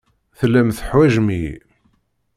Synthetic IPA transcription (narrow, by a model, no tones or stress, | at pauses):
θəlːæmθəħwæʒmi